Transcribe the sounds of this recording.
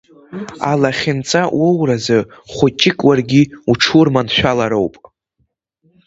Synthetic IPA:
a̰laχʲɪnt͡sʼawowrazɨχʷʊt͡ʃʼɪkʼwarɡʲiuʈ͡ʂʰurmanʃʷᶣalaɾowpʼ

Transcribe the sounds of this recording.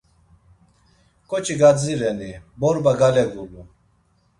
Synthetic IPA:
kot͡ɕiɡad͡ziɾɛnibɔɾbaɡalɛɡulu

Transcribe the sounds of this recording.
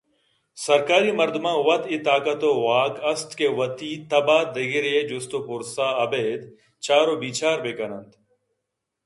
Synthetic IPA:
sɐɾkaːɾiːmɐɾd̪mãːʋɐt̪it̪aːkət̪oːʋaːkɐst̪keːʋɐt̪iːt̪ɐbaːt̪̚d̪ɐɡiɾeːd͡ʒʊst̪oːpʊɾsaːɐbeːd̪ | t͡ʃaːɾoːbiːt͡ʃaːɾbeːkɐnənt̪

